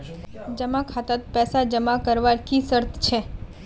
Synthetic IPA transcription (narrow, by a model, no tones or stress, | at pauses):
d͡ʒəmakʰat̪at̪̚pɛsad͡ʒəmakəɾʋaɾkisəɾt̪ʰt͡ʃʰe